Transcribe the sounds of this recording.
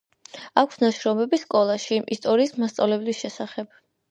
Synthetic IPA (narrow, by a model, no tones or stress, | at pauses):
akʷʰsnaʃɾɔmɛbiskʼɔlˠaʃiʔist̪ʼɔɾiːsmast̪sʼa̰vlɛblisʃɛsaχɛb̥